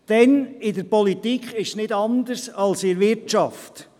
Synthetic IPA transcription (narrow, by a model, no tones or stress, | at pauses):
d̥ɛnɪdəɾpɔlit̪ikχɪʃsnɪdɑnd̪əsɑlsɪɾʋɪɾt͡ʃɑft